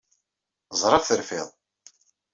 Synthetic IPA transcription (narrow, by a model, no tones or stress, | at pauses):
zˤɾˤɑfθəɾfɪðˤ